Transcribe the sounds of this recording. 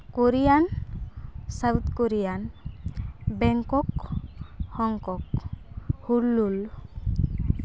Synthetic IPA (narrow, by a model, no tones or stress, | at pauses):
kuɾijan | sawt̪kuɾijan | bɛŋkɔk | hɔŋkɔk | hulːul